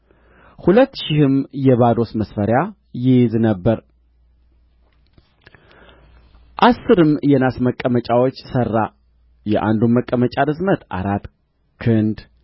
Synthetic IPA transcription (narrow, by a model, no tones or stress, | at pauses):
hulət̪ːʃɪhɨmjɛβad̪o̞sməsfəɾja | jɪjznəbːəɾ | ʔasːɨɾɨmjɛnasməkʼːəmət͡ʃʼawot͡ʃːsərːa | jɛʔa̰nd̪umːəkʼːəmət͡ʃʼad̪ɨzmət̪ʔa̰ɾat̪ː | kʰɨnd̪